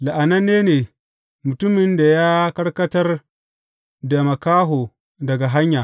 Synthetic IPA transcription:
la˨ʔa˨nɐ˦nːeː˦neː˨ | mʊ˨tʊ˦mɪ˨nda˨ja˦kɐ˦ɽkɐ˦tɐ˦r | da˨mɐ˨kaː˦ɦoː˨ | dɐ˨ɡa˨ɦa˦ɲjaː˨

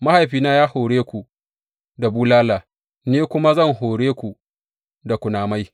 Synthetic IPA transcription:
ma˦ha˨jɸiː˨naː˦jaː˦hoː˨ɽeː˦kʷu˨ | da˨buː˦laː˦laː˨ | neː˦kʷʊ˦ma˦zɐ˦˨ŋɦoː˨ɽeː˦kʷu˨ | da˨kʷʊ˨naː˨ma˦j

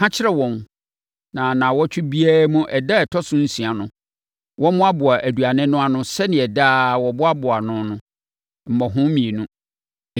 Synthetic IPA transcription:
ã˦t͡ɕʰɪ˦ɾɛ˦wɔ̃˨n | nã˨nã˨wɔ˦t͡ɕʰᶣʊ˦bi˦a˦mũ˦ʔɛ˨da˦ɛ˨tʰɔ˦sʊ̃˦n̩˦sĩ˨a˨nʊ̃˨ | wɔ˦mʊ̃˦a˦bʊ˨a˨ʔæ˨du˨a˨nɪ̃˦nʊ̃˦a˦nʊ̃˦sɛ˦nɪ̃˨ɛ˨daː˦˨wɔ˨bʊ˦a˦bʊ˨a˨nʊ̃˦nʊ̃˦ | m̩˨mɔ˨ɦʊ̃˦mĩ˨e˨nũ˦˨

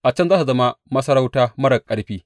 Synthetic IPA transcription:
ʔa˨t͡ʃɐ˦nzaː˦ta˨zɐ˦ma˦mɐ˦sɐ˦ɾa˦wtaː˦mɐ˦ɽɐ˨kʼɐ˦ɽɸiː˦

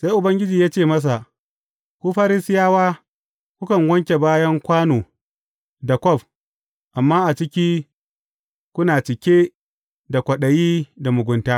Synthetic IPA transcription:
se˦jʔʊ˨bɐ˦ŋɡʲɪ˦d͡ʒiː˨jaː˦t͡ʃeː˦˨mɐ˦s̬a˨ | kʷu˦ɸaː˦ɾɪ˦sɪ˦jaː˦waː˦ | kʷʊ˦kɐ˨ŋɡʷɐ˦ŋkʲe˨baː˦jɐ˦ŋkʷaː˦noː˨ | da˨kʷɔ˦˨ɸ | ʔa˨mːaː˦ʔa˨t͡ʃɪ˦kʲiː˦ | kʷʊ˦naː˨t͡ʃɪ˨kʲe˦ | da˨kʷɐ˨ɗɐ˨jiː˦da˨mʊ˨ɡʷʊ˨ntaː˦

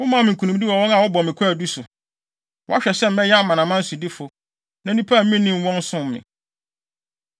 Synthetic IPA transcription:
wʊ˦mã˦˨mɪ̃˨ŋ˨kʰu˨nũ˨˦di˦wɔ˨wɔ̃˦na˨wɔ˦bɔ˨mɪ̃˨kʷʰæ˨du˦sʊ˨ | wɔ˦a˦ɕᶣɛ˨sɛ˦m̩˦mɛ˦jɛ˦mã˨nã˨mã˦n̩˦su˨dɪ˦fʊ˨ | nã˨˦nĩ˦pʰa˦˨m̩˦mĩ˦nĩ˦˨m˦wɔ̃˦n˦sʊ̃˦m˨mɪ̰̃˨

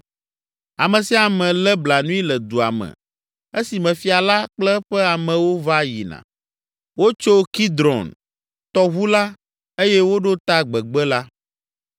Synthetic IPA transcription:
a˨mɛ̃˨si˦a˨mɛ̃˨lɛ˦bla˨nũ˦i˦lɛ˨d̪u˨a̰˨mɛ̰̃˨ | e˦si˨mɛ̃˨fi˦a˨la˦k͡plɛ˦ɸɛ˦a˨mɛ̃˨wo˦va˦jḭ˨nã̰˨ | wo˦t͡ʃo˦ki˦d̪ɾɔ̰˨n | t̪ɔ˦ɣu˦la˦ | e˦jɛ˦wo˦ɖo˦t̪a˦ɡ͡bɛ˨ɡ͡bɛ˦la˦

